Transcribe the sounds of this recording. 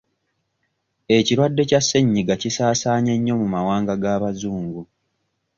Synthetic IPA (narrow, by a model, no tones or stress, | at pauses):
e̞ciɾwadːe̞casːe̞ɲːiɡacisaːsaːɲe̞ɲːo̞mumawaːŋɡaɡaβazuːŋɡu